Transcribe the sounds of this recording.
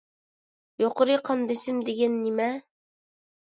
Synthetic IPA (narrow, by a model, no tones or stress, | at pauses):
joqŏɾɤjqɑnbɘ̆sɘmd̪iɡænːimæ